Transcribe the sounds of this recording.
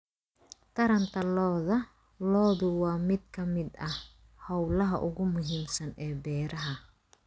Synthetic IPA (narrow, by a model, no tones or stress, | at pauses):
t̪ʰɐɾɐnt̪ʰɐlɔːðɐ | lɔːðʊwɑːmɪd̪̚kʰɐmɪd̪ɐh | hɔwlɐɦɐ̰ʔʊɣʊmʊɦiːmsɐnɛːbɛːɾɐɦɐ